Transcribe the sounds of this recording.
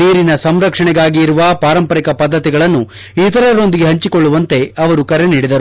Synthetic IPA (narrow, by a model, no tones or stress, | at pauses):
iːɾinɐsɐmɾɐkʂɐɳɛɡaːɡiːɾuʋɐpaːɾɐmpɐɾikɐpɐd̪ːɐt̪iɡɐɭɐnːu | it̪ɐɾɐɾo̞nd̪iɡe̞ɦɐɲt͡ʃiko̞ɭːuʋɐnt̪e̞ɐʋɐɾukɐɾeniːɽid̪ɐɾu